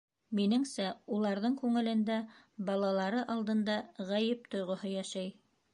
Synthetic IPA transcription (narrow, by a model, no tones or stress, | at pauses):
minɘŋsæulˠɑɾðɤŋkʉŋɘ̆lɘ̆nd̪æ | bɑlˠɑlˠɑɾɤʔɑlˠd̪ɤ̆nd̪ɑʁæjɘp̚t̪ŏjʁŏhɤjæʃæj